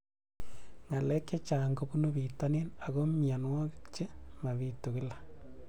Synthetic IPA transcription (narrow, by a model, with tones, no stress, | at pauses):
ŋa˨lɛː˦kje˦t͡ʃaː˨ŋɡo˦pu˦no˦bi˨tani˦na˨ɣo˦mja˨nwɔ˦kkt͡ʃe˦ma˨βi˨tːo˨kɪ˦la˨